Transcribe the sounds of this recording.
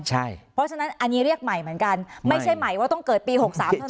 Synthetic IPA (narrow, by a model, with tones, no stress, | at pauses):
t͡ɕʰa˥˩jpʰɔ˦˥t͡ɕʰa˧na˦˥nʔa˧nːiː˦˥ɾi˥˩ək̚ma˨˩jmɯ˩˦ənka˧nma˥˩jt͡ɕʰa˦˥˩jma˨˩jwaː˥˩t̪ɔ˥˩ŋkɤː˨˩t̪̚piː˧ho˨˩k̚saː˩˦˩tʰa˥˩